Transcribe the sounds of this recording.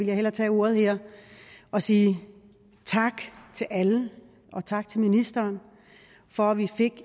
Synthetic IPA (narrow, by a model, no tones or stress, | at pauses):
iljɑ̈ɦelɐt͡sʰɛ̰ːo̝ːɐð̞̩ˠheɐ̰ | ɒ̽siː | t͡sʰɑ̈ɡ̥t͡sʰe̝lʔælə | ʔɒ̽t͡sʰɑ̈ɡ̥̚t͡sʰe̝lminisd̥ɐːn | fɒ̽æʋife̝ɡ̥